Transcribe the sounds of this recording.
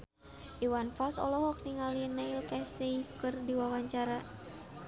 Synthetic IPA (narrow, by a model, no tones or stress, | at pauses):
ʔiwanfalsɔ̰lɔɦɔk̚niŋalinailkaseikɨrdiwawaɲt͡ʃaɾa